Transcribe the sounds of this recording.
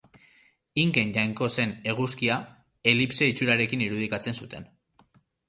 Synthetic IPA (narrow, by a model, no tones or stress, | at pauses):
iŋke̞nʝajŋko̞se̞ne̞ɣ̞uskia | e̞lipse̞it͡suɾaɾe̞kiniɾuð̞ikat͡se̞nsut̪e̞n